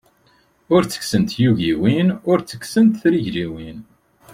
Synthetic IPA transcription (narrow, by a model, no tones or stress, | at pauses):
ʊɾt͡sːə̥ksənt̪juʝiwinʊɾt͡sːə̥ksənt̪θɾiʝɾiwin